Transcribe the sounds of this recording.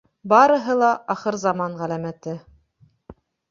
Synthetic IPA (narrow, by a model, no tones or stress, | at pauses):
bɑɾɤ̆ɦɤlˠɑʔɑχɤɾzɑmɑnʁælæmæt̪ɘ